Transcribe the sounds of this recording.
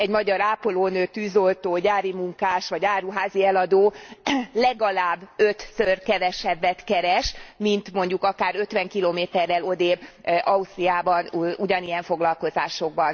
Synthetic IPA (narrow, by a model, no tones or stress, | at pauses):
ɛɟmɒɟɒɾaːpoloːnøːt̪ːyːzolt̪oːɟaːɾimuŋkaːʃʋɒɟaːɾuɦaːziɛlɒd̪oːlɛɡɒlaːbːøt̪sørkɛvɛʃɛbːɛt̪kɛɾɛʃmint̪mo̞ɲɟukɒkaːɾø̞t̪ʋɛŋkiloːmeːt̪ɛrːɛlo̞d̪eːbʔɒust̪ɾiaːbɒnuɟɒnijɛɱfo̞ɡlɒlko̞zaːʃo̞ɡ̚bɒn